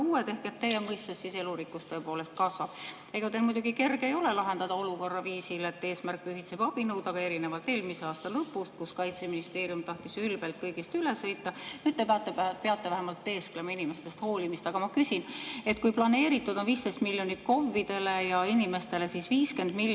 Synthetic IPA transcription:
uːwet̪e̞hket̪ːe̞jemɤjst̪esːise̞luɾikːˑust̪ɤepoːle̞st̪̚kɑsvɑb̥ | e̞ɡ̥ɑt̪elmujd̪uɡ̥ike̞rɡ̥ejo̞le̞lɑɦe̞nd̪̥ɑd̪̥ɑo̞luko̞rːɑviːsilet̪ːe̞ːsmærkpyɦit̪se̞b̥ɑb̥inɤwd̪̥ɑɡ̥ɑe̞ɾine̞vɑlt̪e̞ːlmise̞ɑːst̪ɑlɤpːˑust̪̚kuskɑjt̪seminist̪e̞ːɾijumt̪ɑht̪isylb̥e̞lt̪̚kɤjɡ̥ist̪ylesɤjt̪ːˑɑnyːd̪̥̚t̪ːept̪ːepeɑt̪ːˑe̞væɦemɑlt̪ːeːsklemɑinime̞st̪e̞st̪ho̞ːlʲimist̪ɑɡ̥ɑmɑkysine̞t̪̚kujplɑne̞ːɾit̪ːud̪o̞nviːst̪e̞st̪milʲjo̞nit̪̚ko̞vːid̪̥e̞le̞jɑinime̞st̪e̞le̞sisviːske̞nd̪mil

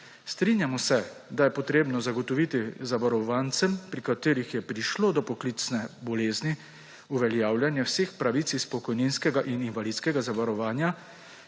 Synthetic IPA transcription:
st̪ɾinjamɔsɛd̪ajɛpɔt̪ɾeːbnɔzaɡɔt̪ɔʋiːt̪izaʋaɾɔʋaːnt̪sɛmpɾikat̪eːɾixjɛpɾiʃloːd̪ɔpɔklit̪snɛbɔleːzni | uʋɛljaːwljanjɛwseːxpɾaʋit̪sispɔkɔjninskɛɡaʔininʋalid̪skɛɡazaʋaɾɔʋaːnja

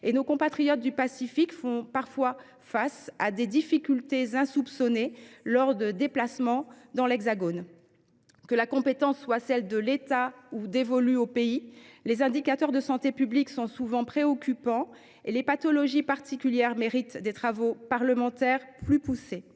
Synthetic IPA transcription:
enokɔ̃pat̪χijɔt̪̚d̪ypasifikfɔ̃paʁfwa | fasad̪ed̪ifikʲylt̪ezɛ̃supsɔnelɔʁd̪əd̪eplasmɑ̃d̪ɑ̃lɛɡzaɡon | kəlakɔ̃pet̪ɑ̃sːwasɛld̪əlet̪aud̪evɔlyopeilezɛ̃d̪ikat̪œʁd̪əsɑ̃t̪epybliksɔ̃suvɑ̃pχeɔkʲʰypɑ̃ | elepat̪ɔlɔʒipaʁt̪ikʲyljɛʁmeʁit̪d̪et̪χavopaʁləmɑ̃t̪ɛʁplypuse

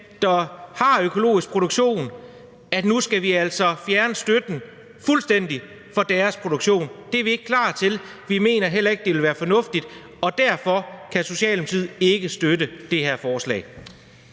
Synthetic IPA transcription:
d̥ɑhɑ̈økʰo̝lo̝̰ːisɡ̥̚pʰʁo̝ɾ̥oɡ̥ɕo̝̰ːn | æd̥nusɡ̥æʋiæl̰sɒ̽fjæɐnəsd̥ød̥n̩ | fulsd̥en̰d̥i | fɒ̽d̥æɐspʰʁo̝d̥oɡ̥ɕo̝̰ːnd̥e̝æɐʋie̝ɡ̥əkʰlɑ̰̈ːt͡sʰe̝lʋime̝̰ːnɐɦel̰ɐe̝ɡ̥̚d̥eʋe̝lʋæːɐfɒ̽nɔ̽fd̥id̥ | ɒ̽d̥æɐfɒ̽kʰæso̝ɕɛ̰ːlm̩sʰið̰ˠe̝ɡ̥əsd̥ødəd̥e̝ɦeɐ̰fɒːslɛ̰ːɪ

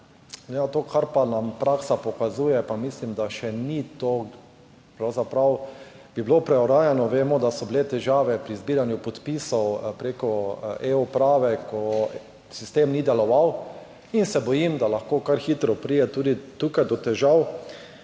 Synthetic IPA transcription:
jat̪oːkʰaɾpanampɾaːksapɔkazuːjɛpamislimd̪aʃɛnit̪oː | pɾawzapɾaw | b̥iblopɾɛɔɾaːjanɔʋemɔd̪asɔbilet̪ɛʒaːʋɛpɾizbiːɾanjʊpɔt̪pisɔwpɾekɔeːupɾaːʋɛkʰɔ | sist̪eːmnid̪ɛlɔʋaw | insɛbɔjimd̪alaxkoːkaɾxiːt̪ɾɔpɾiːjɛt̪uːd̪it̪ukajd̪ɔt̪ɛʒaw

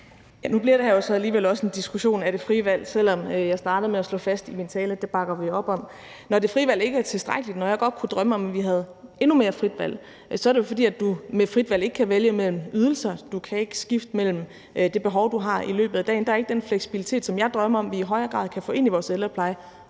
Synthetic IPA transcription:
jænub̥liɐɾ̥ejo̝sɒ̽æliːʋelɒ̽səe̝nd̥isɡ̥uɕo̝̰ːnæɾ̥e̝fʁiʋæl̰sel̰ɒ̽møjɑ̈ɪsd̥ɑ̈ːɾ̥ð̩ˠmeæslɔ̰̽ːfæsd̥imint͡sʰɛːləd̥e̝b̥ɑ̈ɡ̥ɐʋiɒ̽b̥ɒ̽m̰ | nɒde̝fʁiʋæl̰e̝ɡ̥əæɐt͡sʰe̝sd̥ʁaɡ̥əlid̥nɒjɑ̈ɪɡ̥ɒ̽d̥̚kʰud̥ʁɶməɒ̽mʋiɦæð̞̩ˠe̝nume̝ːɐfʁid̥ʋæl̰ | sɒ̽æɐɾe̝jo̝fɒ̽d̥ḭːæd̥d̥umefʁid̥ʋæle̝ɡ̥ə̥kʰæʋeljəmel̰m̩yð̞ˠl̩sɐd̥ukʰæe̝ɡ̥əsɡ̥ifd̥əmel̰m̩ | d̥e̝b̥e̝ɦɒ̽ʊd̥uɦɑ̈ilø̰ːb̥ð̩ˠæd̥ɛ̰ːnd̥ɑ̈ɐe̝ɡ̥əd̥enfleɡ̥si̥b̥ilit͡sʰe̝̰ːd̥sɒ̽mjɑ̈ɪd̥ʁɶməɒ̽mʋiːɦɒ̽ɪɐːɡ̥ʁɑ̰̈ðˠkʰæfɔ̰ːe̝n̰iʋɒːselɐpʰlɑ̈ɪ

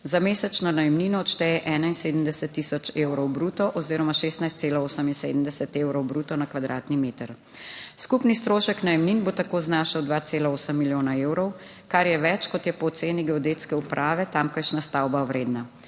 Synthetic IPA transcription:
zameːsɛt͡ʃnɔnajɛmniːnɔːt̪ʃt̪ɛjɛʔɛːnainseːd̪əmd̪ɛsɛt̪ːisɔt͡ʃewɾɔwbɾuːt̪ɔʔɔziːɾɔmaʃeːst̪najst̪seːlaoːsəminsḛːd̪əmd̪ɛsɛt̪eːwɾɔwbɾut̪ɔnakʋad̪ɾʔa̰ːt̪nimeːt̪əɾ | skupnist̪ɾoːʃəknajɛmninbot̪akoːznaːʃawd̪ʋat̪seːlaoːsəmːiljoːnaewɾɔw | kaɾjɛʋɛt͡ʃkɔt̪jɛpɔːt̪seːniɡɛɔd̪eːt̪skɛupɾʔaːʋɛt̪amkɐʃnast̪awbawɾeːd̪na

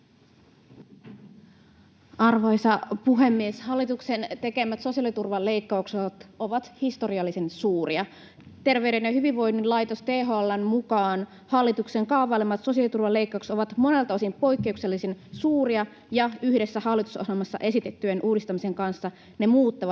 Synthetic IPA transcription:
ɑrʋɑjsɑpuɦe̞mːieshɑlːit̪uksent̪e̞ke̞mæt̪so̞siɑlit̪urʋɑle̞ikːɑuksot̪o̞ʋɑt̪hist̪o̞ɾiɑlːisinsuːɾiɑ | t̪e̞rʋe̞yɾe̞njɑhyʋiʋʋo̞jnːilɑjt̪ost̪eːɦoɑlːɑnmukɑːn | hɑlːit̪ukseŋkɑːʋɑlemːɑt̪so̞siɑlit̪urʋɑle̞ikːɑˑukso̞ʋɑt̪mo̞ne̞lt̪ɑosimpo̞ikːe̞ukse̞lːisinsuːriɑ | jɑyhde̞sːæhɑlːit̪u̥soselmɑsːɑ̰ʔe̞sit̪e̞t̪ːyenʔuːdist̪ɑmise̞ŋkɑnsːɑ | ne̞muːt̪ːɑʋɑ

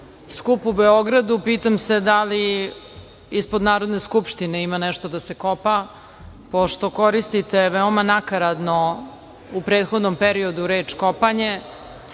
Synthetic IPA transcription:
skupubeoɡɾad̪upiːt̪amse̞d̪ali | ispo̞d̪naːɾod̪ne̞skupʃt̪ineimanɛʃt̪o̞d̪ase̞kopa | poʃt̪o̞koɾist̪it̪e̞ʋeomanakaɾad̪no̞ | upɾeːt̪xod̪nompeɾio̞d̪uɾeːt͡ʃkopaɲe

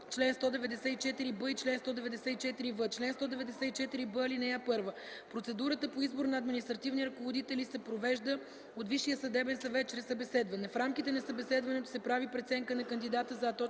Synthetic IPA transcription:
t͡ʃlɛnst̪ɔd̪ɛvɛd̪ɛsɛit͡ʃɛt̪iɾibɤit͡ʃlɛnst̪ɔd̪ɛvɛd̪ɛsɛit͡ʃɛt̪iɾivət͡ʃlɛnst̪ɔd̪ɛvɛd̪ɛsɛit͡ʃɛt̪iɾibəɐlinɛjapɤɾvə | pɾot̪sɛd̪uɾət̪əpoizboɾnɐːd̪minist̪ɾɐt̪ivniɾɐkovod̪it̪ɛlisɛpɾovɛʒd̪ə | ot̪viʃːijəsɐd̪ɛbɛnsɐvɛt̪̚t͡ʃɾɛsːɐbɛsɛd̪vɐnɛfɾamkit̪ɛnɐsɐbɛsɛd̪vɐnɛt̪o̥sɛpɾavipɾɛt̪sɛŋkənɐkənd̪id̪at̪əzɐt̪ɔ

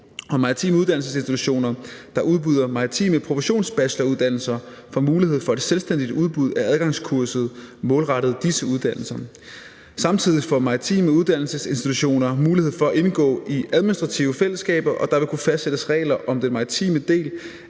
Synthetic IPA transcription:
ɒ̽mɑ̈ːit͡sʰḭːməuðˠd̥ænl̩s̬əse̝nsd̥it͡sʰuɕo̝̰ːnɐd̥ɑ̈ʔuð̞ˠb̥yð̞ˠɐmɑ̈ʁit͡sʰḭːməpʰʁo̝fiɕo̝̰ːnsb̥æɕlɐuðˠd̥æn̰l̩sɐfɒmuːliɦe̝ð̞̰ˠfɒ̽e̝d̥selsd̥en̰d̥id̥uð̞ˠb̥uð̞ˠææðˠɡ̥ɑ̈ŋskʰuɐsð̞̩ˠmɔ̽ːlʁɑ̈ɾ̥ð̞̩ˠd̥isəuð̞ˠd̥æn̰l̩sɐ | sɑ̈mt͡sʰið̞̰ˠifɒmɑ̈ʁit͡sʰḭːməuð̞ˠd̥æn̰l̩səse̝nsd̥it͡sʰuɕo̝̰ːnɐmuːlihe̝ð̞̰ˠfɒ̽æʔe̝nɡ̥ɔ̰̽ːiʔæðˠminisd̥ʁɑ̈t͡sʰiʊəfel̰əsːɡ̥ɛ̰ːb̥ɐʔɒ̽d̥ɑ̈ʋe̝kʰufæsd̥sed̥əsʁɛ̰ːɪlɐʔɒ̽md̥enmɑ̈it͡sʰḭːməd̥e̝̰ːl

